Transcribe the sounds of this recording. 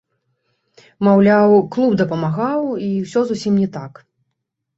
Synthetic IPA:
mawlʲawklˠubd̪ɐpɐmaɣawiwsʲɔzusʲimnʲɛt̪ak

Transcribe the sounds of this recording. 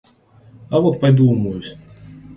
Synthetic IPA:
ɐvɔt̪̚pɐjd̪umujusʲ

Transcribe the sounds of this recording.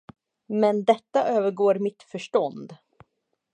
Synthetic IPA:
mɛnd̪ɛt̪ːaʔøːvəɾɡoːɾmɪt̪fœʂʈɔnd̪

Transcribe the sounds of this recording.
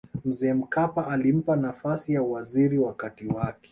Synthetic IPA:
m̩zɛːm̩kapaʔalim̩panafasijauwaziɾiwakatiwakɛ̥

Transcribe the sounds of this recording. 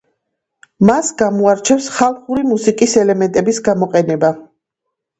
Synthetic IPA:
masɡamuaɾt͡ʃʰɛfsχalˠχuɾimusikʼisɛlɛmɛnt̪ʼɛbisɡamɔqʼɛnɛba

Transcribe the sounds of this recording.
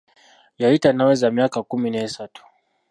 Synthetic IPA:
jaitanawɛzamiakakuminaisatu̥

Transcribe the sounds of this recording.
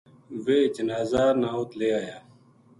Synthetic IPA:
ʋeːd͡ʒənaːzaːnãːʊt̪leːaːjaː

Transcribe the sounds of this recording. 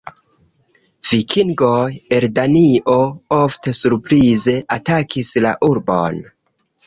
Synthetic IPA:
v̥ikʰiŋɡojeɾdaniʔo̞ofte̞suɾpɾize̞ʔatakʰisla̰ʔuɾbo̞̰n

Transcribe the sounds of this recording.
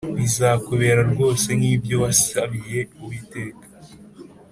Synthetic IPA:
βizakuβe̞ɾaɾɡwo̞ːse̞niːbɟo̞wasaβije̞uwite̞ːkḁ

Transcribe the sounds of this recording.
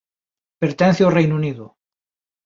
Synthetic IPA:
peɾt̪en̟θeorejnuniðo

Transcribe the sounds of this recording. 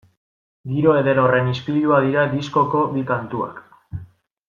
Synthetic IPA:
ɡiɾo̞e̞ðe̞ɾo̞re̞nispiliuaðiɾad̪isko̞ko̞βikant̪ua̰k

